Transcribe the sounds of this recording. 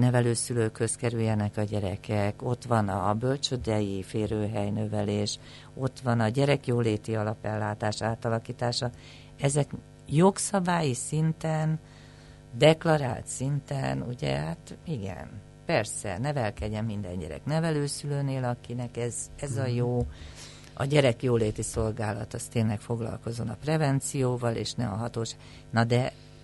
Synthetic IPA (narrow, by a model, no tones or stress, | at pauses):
nɛvɛløːsyløːkhøskɛɾyjːɛnɛkɒɟɛɾɛ̰kɛko̞t̪ʋɒnɒbølt͡ʃød̪ɛjifeːɾøːɦɛjnøvɛleːʃ | o̞t̪ʋɒnɒɟɛɾɛkjoːleːt̪iɒlɒpɛlːaːt̪aːʃaːt̪ɒlɒkiːt̪aːʃɒ | ɛzɛk | jo̞ksɒbaːjisint̪ɛn | d̪ɛklɒɾa̰ːlt̪sint̪ɛnuɟɛ̰hat̪iɡɛ̰n | pɛrsɛ̰nɛvɛlkɛɟɛmːind̪ɛ̰ɲɟɛ̰ɾɛ̰knɛvɛløːsyløːneːlɒkinɛkɛzɛzɒjoː | ɒ̰ɟɛɾɛkjoːleːt̪iso̞lɡaːlɒ̰t̪ɒst̪eːnlɛkfo̞ɡlɒ̰lko̞zo̞nɒprɛvɛnt̪sijoːvɒlḛːʃnɛ̰ɒɦɒt̪oːʃaɡ | nɒd̪ɛ